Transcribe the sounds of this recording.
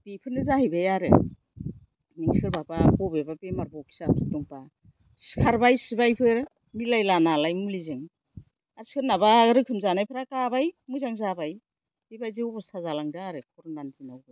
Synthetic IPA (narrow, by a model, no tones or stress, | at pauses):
b̥ipʰɯnɯzahijbajaɾɯ̰ | niŋskʰɯɾbababɔbebapemaɾbɔkʰi̥sapʰɯltɔŋpa | skʰaɾbajsibajpʰɯɾ | milajlanalajmulizɯŋ | aɾskʰɯnabaɾɯkʰɯmzanajpʰɯɾakabajmuzaŋzabaj | bebajzeubɔsazalaŋdaaɾɯkʰɔɾnanzinawbɯ